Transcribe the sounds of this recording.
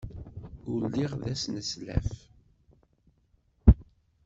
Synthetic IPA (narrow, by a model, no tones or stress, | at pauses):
ʊlːiʁðæsnəslæ̰f